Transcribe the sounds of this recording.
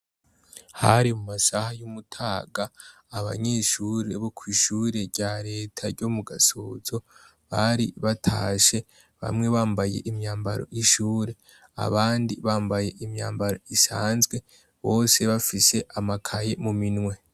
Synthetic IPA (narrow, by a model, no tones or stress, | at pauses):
haɾimumasahajumutʰaːɡaː | βa̰ɲe̞ʃuɾe̞βokʰwiːʃuːɾe̞ɾɟaɾe̞ːtʰaɾɟo̞muɡasoːzo̞ | βaɾḭβatʰaːʃe̞ | βa̰mŋe̞βaːmbaje̞ʔimɲaːmbaɾo̞̰ʔiʃuːɾe̞ | a̰βaːndiβaːmbaje̞ʔimɲa̰ːmbaɾo̞isaːnzɡwe̞ | βo̞ːse̞βafise̞ʔamakʰaje̞muminŋwe̞